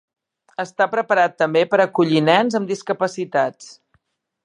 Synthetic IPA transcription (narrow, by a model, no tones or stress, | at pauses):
əst̪apɾəpəɾat̪ːəmbepəɾəkuʎinɛnzəmd̪iskəpəsit̪at͡s